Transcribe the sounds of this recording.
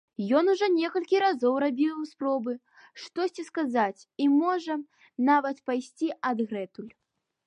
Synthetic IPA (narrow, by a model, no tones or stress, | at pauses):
jɔnuʐɔnʲɛkɐlʲkʲiɾazɔwɾabʲiwspɾɔbɨ | ʂt̪ɔsʲt͡sʲiskazat͡sʲimɔʐɐ | navɐt̪pajsʲt͡sʲiʔɐd̪ɣɾɛt̪ulʲ